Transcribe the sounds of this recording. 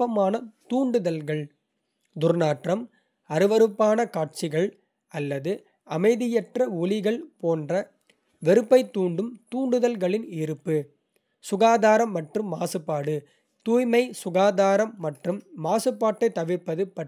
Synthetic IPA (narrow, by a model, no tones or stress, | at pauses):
ɐmaːnɐt̪uːɳɖɯðɐlɣɐɭ | d̪ʊɾnaːʈrɐm | ɐɾɯʋɐɾɯpːaːnɐkaːʈ̚t͡ʃɪɣɐɭ | ɐlːɐðɯ | ɐmɐɪðɪjɛʈrɐʊlɪɣɐɭpoːndrɐ | ʋɛɾɯpːɐɪt̪ːuːɳɖɯmt̪uːɳɖɯðɐlɣɐɭɪnɪɾɯpːɯ | sʊɣaːðaːɾɐmːɐʈrɯmːaːsɯpːaːɽɯ | t̪uːjmɐɪsʊɣaːðaːɾɐmːɐʈrɯmːaːsɯpːaːʈːɐɪt̪ːɐʋɪɾpːɐðɯpɐʈː